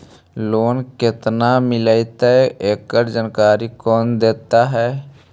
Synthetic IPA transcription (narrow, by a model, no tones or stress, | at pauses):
loːnkɪt̪namɪləit̪eeːkːəɾd͡ʒənkaːɾikɔːnd̪eːt̪aɦɛː